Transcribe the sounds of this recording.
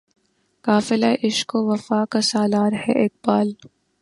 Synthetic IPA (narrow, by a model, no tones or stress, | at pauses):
kaːfɪlaʔɪʃkoʋɐfaːkasaːlaːɾhɛ̰ʔeːk̚baːl